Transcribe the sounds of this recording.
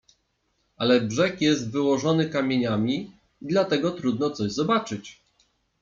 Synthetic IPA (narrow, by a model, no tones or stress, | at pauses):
alɛbʐɛkjɛst̪vɘwɔʐɔnɘkamʲjeɲamʲi | id̪lat̪ɛɡɔt̪ɾud̪nɔt̪sɔʑzɔbat͡ʂɘt͡ɕ